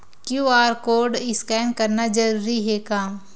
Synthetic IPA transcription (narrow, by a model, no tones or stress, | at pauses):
kjuaːɾkoːɾɖɪskɛːnkɐɾnad͡ʒɐɾuːɾiɦekaː